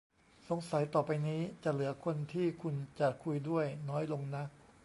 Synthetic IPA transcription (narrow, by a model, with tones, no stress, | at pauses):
so˩˦ŋsa˩˦jt̪ɔː˨˩pa˧jniː˦˥t͡ɕa˨˩lɯ˩˦ɐkʰo˧nt̪ʰiː˥˩kʰu˧nt͡ɕa˨˩kʰu˧jdu˥˩əjnɔː˦˥jlo˧ŋna˦˥k̚